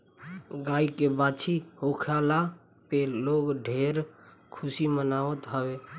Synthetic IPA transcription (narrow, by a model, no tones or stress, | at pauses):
ɡaikebat͡ʃʰiɦokʰala | peloɡɖʱeɾkʰʊsimənaʋət̪ɦəbe